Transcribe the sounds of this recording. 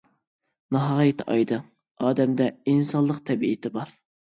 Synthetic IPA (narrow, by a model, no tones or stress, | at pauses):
nɑɦɑʁjit̪ʰʔɑjd̪ɨŋ | ɑːd̪ɛmd̪ɛinsɑnlˠəqt̪ʰɛbiɪt̪ʰɪbɑɾ